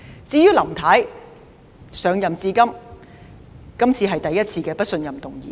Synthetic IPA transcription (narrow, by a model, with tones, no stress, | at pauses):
t͡siː˧jyː˥lɐ˨˩mt̪ʰɐː˨˥j | sœː˨˧ŋjɐ˨mt͡siː˧kɐ˥m | kɐ˥mt͡sʰiː˧ɦɐ˨jt̪ɐ˨jːɐ˥t̚t͡sʰiː˧kɛː˧pɐ˥t̚sɵ˧njɐ˨mt̪ʊ˨ŋjḭː˨˦